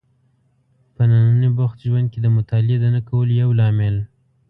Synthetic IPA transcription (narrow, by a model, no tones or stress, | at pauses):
pənanənəbaxt̪ʒwand̪̚ked̪əmʊt̪ɑlɪed̪ənakawəlojawlɑmɪl